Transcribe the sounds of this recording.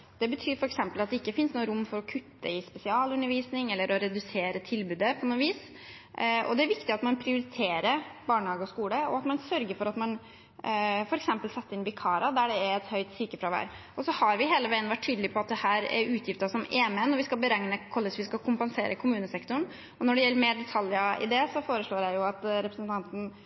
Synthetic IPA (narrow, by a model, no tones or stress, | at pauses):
d̪̥ɛbət̪ʰyːɾfɔɾɛksɛmpəlɑt̪d̪ɛɪkːəfɪnsnuːəɾʊmːfɔɾɔkʰʉt̪ːəɪspɛsɪɑːlʉnːəɾʋiːsnɪŋɛlːəɾʔɔɾɛd̪ʉseːɾət̪ʰɪlbʉːd̪əpʰɔnoːʋiːs | ʔɔ̰d̪ɛæɾʋɪkt̪ɪɑt̪mɑnpʰɾɪʊɾɪt̪ʰeːɾəɾbɑːɳəhɑːɡəɔskuːləɔ̰ɑt̪mɑnsœɾɡəɾfɔɾɑt̪mɑn | fɔɾɛksɛmpəlsɛt̪ːəɾɪnʋɪkʰɑːɾɑd̪æɖɛæɾɛt̪hœʏt̪sʏkəfɾɑʋæ̰ːɾʔɔsɔhɑɾʋɪɦeːləʋæɪənʋæʈʰːyːd̪lɪpʰɔɑt̪̚d̪ɛhæːɾæ̰ɾʉːt̪ʰjɪft̪ɑsɔmeːmɛnːɔɾʋɪskɑlbəɾɛŋnəkʰɔlːɪsʋɪskɑkʰʊmpɛnsḛːɾʔəkʰʊmʉːnəsɛkt̪ʊɳ | ɔnɔɖɛjɛlːəɾmeːɖɛt̪ʰɑljəɪ̰d̪ɛsɔfoːɾəʂɭoːɾjæɪjʊɑt̪ɾɛpɾəsənt̪ʰɑnt̪n̩